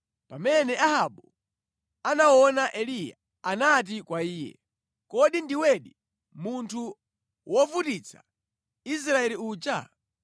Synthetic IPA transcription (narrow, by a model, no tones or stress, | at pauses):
pamɛnɛʔahaɓu | anawɔnaʔɛlija̰ | anat̬ikwaiːjɛ̰ | kɔɗindiwɛɗi | muntʰu | wɔfutit͡sʰḁ | is̬ɾaɛliuːt͡ʃa̰